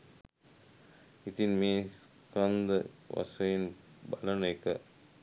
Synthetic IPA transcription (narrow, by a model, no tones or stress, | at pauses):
it̪inmeːs | kɐnd̪ɐ | ʋɐ̰sɐjin | bɐlɐnɐjkɐ